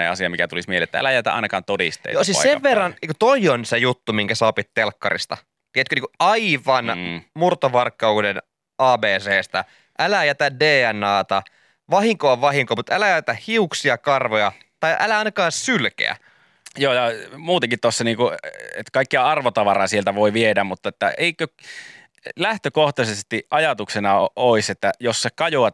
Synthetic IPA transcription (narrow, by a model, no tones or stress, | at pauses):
nḛɑsiɑmikæt̪ulismielḛt̪ːææ̰læjæt̪æ̰ʔɑ̰inɑkɑ̰ːnt̪odḭst̪ḛːjosissseʋʋerːɑnikut̪oionsejut̪ːumiŋkæsɑːpit̪telkːɑ̰rḭst̪ɑ̰ | t̪iet̪køniːkuɑiʋɑnmurt̪oʋɑrkːɑuden | ɑːbeːseːst̪ɑ̰ | ʔælæjæt̪ædeːænɑːt̪ɑ | ʋɑɦiŋkoɑʋɑɦiŋkoːmut̪ælæjææt̪æhiuksiɑkɑrʋojɑ | t̪ɑiʔælæɑinɑkɑːssylkḛæ̰ | joːjɑmuːt̪eŋkit̪t̪osːɑniːŋkuḛt̪kɑikːiɑɑrʋot̪ɑʋɑrɑːsielt̪æʋoiʋiedæmmut̪ːɑet̪ːæeikø | læht̪økoht̪ɑsest̪iʔɑjɑt̪uksenɑoiset̪ːæjosːekɑjoɑt̪